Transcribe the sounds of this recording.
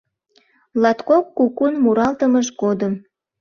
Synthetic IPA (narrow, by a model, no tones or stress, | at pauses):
lɑt̪kokːukunmuɾɑlt̪əməʃkod̪əm